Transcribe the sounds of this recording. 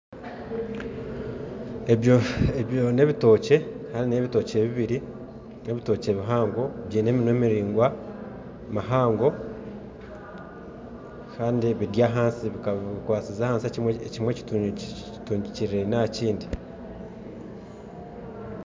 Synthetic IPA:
ejoeβjo̞ne̞βito̞ːce̞kaːndineβito̞ːce̞βiβiɾi | ne̞βito̞ːce̞βiɦaːŋɡo̞βjene̞ːminweːmiɾiːŋɡwa | maɦaːŋɡo̞ | kʰaːndiβidjaːɦaːnsiβikaββikwaːt͡sizaːhaːnsiecwecimwe̞ci̥ | tuːɲɟiciɾiɾe̞naciːndi

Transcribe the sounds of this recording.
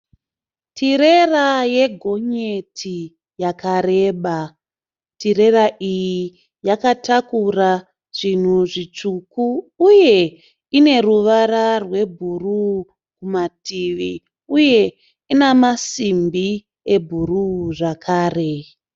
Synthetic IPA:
tʰiɾe̞raje̞ɡʱo̞ɲetʰi | jakaɾe̞ːɓa | tiɾe̞raʔiji | jakatakura | ʐ̥in̤uʐit͡ʂukuːje̞ | ine̞ruʋaɾarwe̞bʱuru | kumatiʋi | uje̞ | inamasimbi | e̞bʱuruʐakʰaːre̞

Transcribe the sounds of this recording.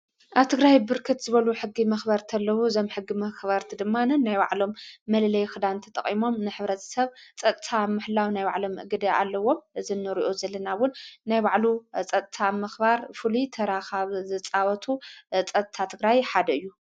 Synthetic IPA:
ʔaβt̪ʰɨɡɾajbɨɾkʰɨt̪zɨβɐluħɨɡːimɐxbɐɾt̪ʰɐlːɐwuɨzo̞mħɨɡːimɐxβɐɾt̪ʰɨd̪ɨmːanɐnːajbaʕlo̞mːɐlɐlɐjxɨd̪ant̪ʰɐt̪ʼɐχʼimo̞mnɨħɨβɾɐt̪ʰɐ̥sɐβt͡sʼɐt̪ʼt̪ʰamɨħlawnajβa̰ʕlomɨʔɡɨd̪ɐa̰lːɐwo̞mzɨnːɨɾiʔozɐlːɐnawʊnːajbaʕlut͡sʼɐt̪ʼt̪ʰamɐxbaɾfɨlit̪ʰɐɾaxaβzɨt͡sʼawɐt̪ʰut͡sʼɐt̪ʼt̪ʰat̪ʰɨɡɾajħad̪ɐɨjːu

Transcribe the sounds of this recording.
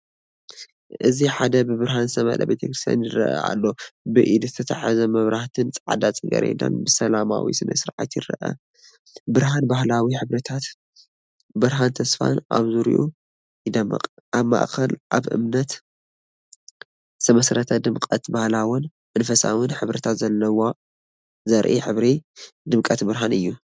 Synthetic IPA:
ʔɨziħad̪ɐbɨbɨɾɦanzɨsɐmɐ̰lɐ̰bet̪ʰɐkɾɨst̪ja̰njɪɾɐ̰ʔa̰ʔa̰lːo̞bɨʔid̪ɨɨt̪ʰɐt̪ʰaħazɐmɐβɾaht̪ʰɨnt͡sʼʕa̰d̪at͡sʼɨɡɐ̰ɾḛd̪a̰nbɨsɐlama̰wḭsɨnʔɐsɨɾʕa̰t̪jɪɾɐ̰ʔɐ̰ | bɨɾɦanbahlawiħɨβɾɐt̪ʰat̪ | bɨɾɦant̪ʰɐsfa̰nʔa̰βzuɾḭʔu | d̪ɐm̰aβma̰ʔkʰɐlʔaβʔɨ̰mnɐt̪ | sɐmɐsɾɐt̪ʰɐd̪ɨmkʼɐt̪bahlawʊn | ʔɨnfɐsa̰wɨnħɨβɾɨt̪ʰat̪zɐlːɐwa | zɐɾʔiħɨβɾid̪ɨmkʼɐt̪bɨɾɦanɨjːu

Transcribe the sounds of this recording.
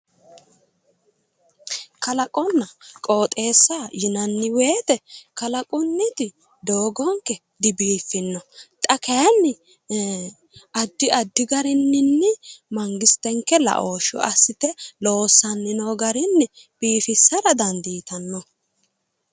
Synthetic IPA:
kɐlɐkʼɔnːɐkʼoːt̪ʼe̞ːsːajɪnɐnːɪweːt̪ɛkɐlɐkʼʊnːɪt̪ɪ | d̪oːɡɔŋkɛ | d̪ɪbiːfːɪnːɔt̪ʼɐkɐjɐnːɪ | ʔɐd̪ːɪɐd̪ːɪɡɐɾɪnːɪnːɪmɐŋɡɪst̪ɛŋkːɛlɐ̰ʔoːʃɔ̰ʔɐsːɪt̪ɛlo̞ːsːɐnːɪnoːɡɐɾɪnːɪ | b̥iːfɪsːɐɾɐd̪ɐnd̪iːt̪ɐnːɔ

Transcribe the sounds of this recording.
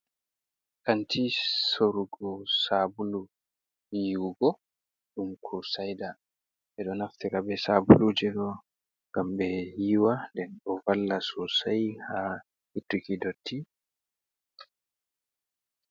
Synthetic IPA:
kantʰisoɾuɡɔsabulu | hiwuɡɔ | ɗumkʰɔsajda | ɛɗɔnaftiɾabɛsabulud͡ʒɛɗɔ | ŋɡ̥ambɛhiːwandɛnɗɔvalːasɔsajha | hitɾikidotʰːi

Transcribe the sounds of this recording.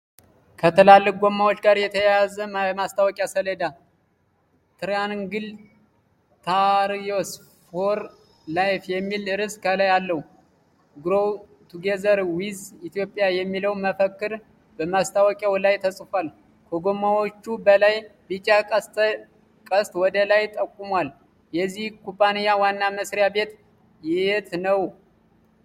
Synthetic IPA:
kʰət̪ʰəlalːɨk̚ɡo̞mːawot͡ʃːɡaɾjɛt̪ʰəjazəmast̪ʰawɔkʼjasəled̪a | t̪ʰɨɾjanŋɡɨl | t̪ʰaɾjos | foɾ | lajfjɛmːilɨɾɨskʰəlajalːəhu | ɡɾow | t̪ʰuɡezəɾwizit̪ʰjo̞pʼjajɛmːiləwməfəkːɨɾ | bəmast̪ʰawɔkʼjawlajt̪ʰəsʼfal | kʰoɡomawot͡ʃːubəlajbit͡ʃʼat̪ | kʼəst̪wɔd̪əlajt̪ʼəkʼːumwal | jɛzːihkʰupʼːanijawanːaməsɾjabe̞t̪ | jɪet̪nəw

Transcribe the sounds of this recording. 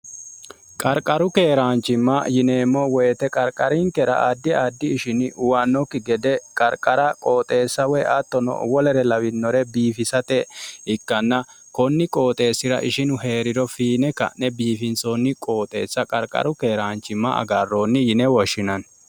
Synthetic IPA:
kʼɐɾkʼɐɾʊke̞ːɾaːnt͡ʃːɪmːɐjɪneːmːɔwɛːt̪ɛkʼɐɾkʼɐɾɪŋkɛɾɐ̰ʔad̪ːɪaːd̪ːɪːʃɪnɪʔʊwanːɔkːɪɡɛd̪ɛkʼɐɾkʼɐɾɐkʼo̞ːt̪ʼe̞ːsːɐwɛʔɐt̪ːɔnɔ̰wɔlɛɾɛlɐwɪnːɔɾɛbiːfɪsɐt̪ɛɪkːɐnːɐ | kɔnːɪkʼo̞ːt̪ʼe̞ːsːɪɾɐ̰ʔɪʃɪnʊɦe̞ːɾɪd̪ɔfiːnɛkɐ̰nːɛbiːfɪnsoːnːɪkʼoːt̪ʼe̞ːsːɐkʼɐ̰ɾkʼɐ̰ɾʊke̞ːɾaːnt͡ʃːɪmːɐ̰ɐ̰ɡarːoːnːɪjɪnɛwɔʃːɪnɐn

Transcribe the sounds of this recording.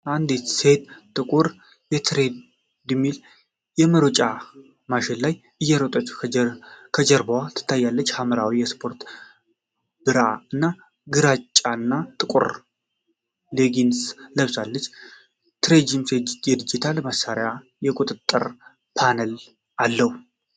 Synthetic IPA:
ʔand̪et̪sed̪t̪ʼɨkʼuɾ | jɛt̪ʰɾe̞d̪ | d̪ɨmːil | jɛməɾot͡ʃʼa | maʃɪnlaj | ʔɨjːɛɾot̪ʼət͡ʃːu̥ | kʰəd͡ʒəɾbawat̪ʰɨ̥t̪ʰːajːalːət͡ʃːhaməɾawijɛspʰo̞ɾt̪ | b̥ɨɾa̰ɨnːa | ɡɨɾat͡ʃʼːanːat̪ʼɨkʼṵɾ | leɡinsləβsalːət͡ʃː | t̪ʰɨɾed͡ʒimsejɛd̪ɨd͡ʒɪt̪ʰaləmasaɾja | jɛkʼut̪ʼɨt̪ʼːɨ̰ɾ | pʰanəl | ʔalːəhu

